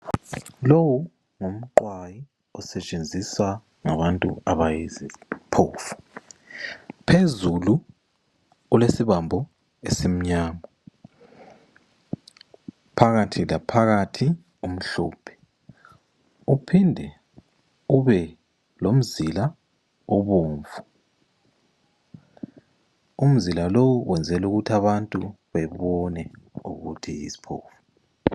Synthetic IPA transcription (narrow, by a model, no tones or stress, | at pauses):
lowu | ŋom̩ǃwaji | ɔsɛt͡ʃʼend͡zʱiswa | ŋaβantʼṵaβajizipʰoːfu̥ | pʰezulu | ulesiβambʱɔ | esem̩ɲaːma | pʰaɣatʰilapʰaɣatʰi | um̩ɬɔːpʰɛ̥ | upʰindʱɛ | uβɛ | lom̩zila | uβuːɱvu | um̩zilalowuwʔɛnd͡zʱɛluɣutʰaβantʼu | βɛβɔnɛṵɣutʰijḭsi̥pʰo̰ːfu̥